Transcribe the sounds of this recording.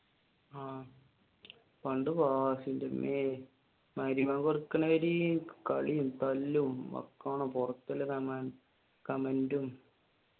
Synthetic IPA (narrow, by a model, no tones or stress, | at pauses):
aː | pɐɳɖɨbaːsindɐmʔe | maːɾimaːŋɡorkːɐnɐeɾikɐɭijumt̪ɐlːumʋɐ̰kːaːɳompɔrɐt̪ːilɐkɐman | kɐmɐndum